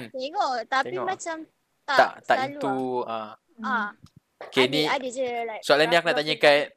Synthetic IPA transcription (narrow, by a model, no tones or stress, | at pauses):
mt̪eŋot̪aimãt͡ʃam | t̪aa̰ʔt̪aʔaluã | ã | kenĩadəd͡ʒəlajsualandiak̚naʔt̪aɲaka